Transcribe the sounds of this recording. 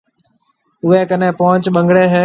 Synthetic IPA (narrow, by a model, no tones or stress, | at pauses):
ʊɦeːkənẽːpoːət͡ʃɓəŋɡɽeːɦeː